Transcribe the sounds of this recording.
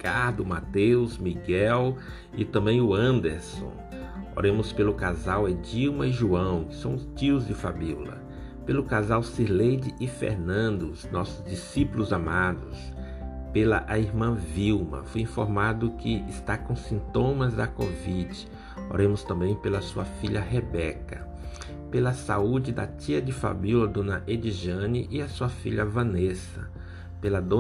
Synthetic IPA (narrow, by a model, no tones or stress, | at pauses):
kaɾd̪ʊmat̪ewzmiɡɛw | ɪt̪ɐ̃mbẽj̃ʊɐ̃nd̪eɾsõ̰ | o̰ɾẽmʊspelʊkazawed͡ʒiwmɐɪʒuɐ̃w̃kɪ̥sɐ̃w̃ʊst͡ʃiʊzd͡ʒɪfa̰bilɐ̰ | pelʊkazawsiɾlejd͡ʒɪʔɪfḛɾnɐ̃nd̪ʊznɔsʊzd͡ʒisipulʊzamad̪ʊs | pelɐʔaiɾmɐ̃viwmɐ̰fojĩfoɾmad̪ʊkɪɪst̪akõsĩnt̪õmɐzd̪ɐkovid͡ʒɪ | o̰ɾẽmʊst̪ɐ̃mbẽj̃pelɐsuɐfiʎɐɦebɛkɐ | pelɐsa̰ud͡ʒɪd̪ɐ̰t̪iɐd͡ʒɪfa̰biwlɐd̪õnɐʔed͡ʒiʒɐ̃nɪʔɪɐsuɐfiʎɐvɐ̃nesɐ̰ | pelɐd̪õ